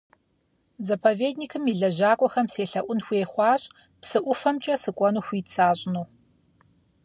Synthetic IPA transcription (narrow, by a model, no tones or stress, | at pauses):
zɐpʰɐveːdnikʰɨmiɮɐʒaːkʷʼɔxɐmseːɬɐʔʷʊnxʷeːχʷɑːɕʼ | psɨʔʷʊfɐmt͡ʃʼɐsɨkʷʼɔnuːxʷiːt͡sʰaːɕʼnuː